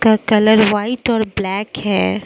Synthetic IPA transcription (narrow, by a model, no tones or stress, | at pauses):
kakɐləɾʋaːɪʈɔːɾblɛːkɦɛː